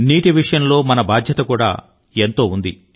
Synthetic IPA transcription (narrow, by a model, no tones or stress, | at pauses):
niːʈiʋiʂɐjɐnlo̞ːmɐnɐbaːd̪ʱjɐt̪ɐkuːɽa̰ː | ent̪o̞ːund̪i